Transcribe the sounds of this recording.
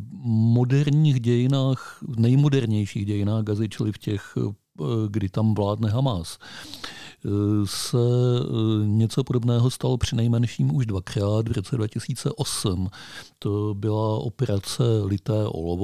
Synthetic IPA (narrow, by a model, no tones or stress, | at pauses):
mo̞dɛɾɲiːxɟɛjɪnaːxnɛjmodɛɾɲɛjʃiːɣɟɛjɪnaːɣɡazɪt͡ʃɪlɪfcɛx | ɡdɪt̪amvlaːdnɛɦamaːs | sɛ | ɲɛt͡sopodo̞bnɛːɦo̞st̪alo̞pr̝̥ɪnɛjmɛnʃiːmuʒdvakr̝aːt̪vɾot͡sɛdvacɪsiːt͡sɛ̰ʔo̞smt̪obɪlaʔo̞̰pɛɾat͡sɛlɪt̪ɛːʔo̰lovo